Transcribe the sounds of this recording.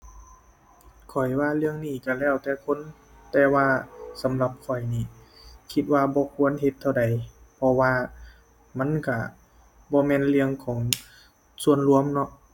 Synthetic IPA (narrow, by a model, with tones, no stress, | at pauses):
kʰɔ˨˩jwaː˧˩lɯ˧əŋniː˧˩ka˧˩lɛː˧˩wt̪ɛː˧kʰo˧˥˨n | t̪ɛː˧waː˧sa˨˦mla˧p̚kʰɔ˨˩jniː˧˩kʰi˧t̪̚waː˧bɔː˧˦kʰu˧˥˨ənɦe˧˦t̪ʰːa˧wda˨˩jpʰɔ˧waː˧ | ma˧˥˨nka˧˩ | bɔː˧mɛː˧˨nlɯ˧əŋkʰɔː˩˦ŋ | su˧ənlu˧əmnɔ˧˥ʔ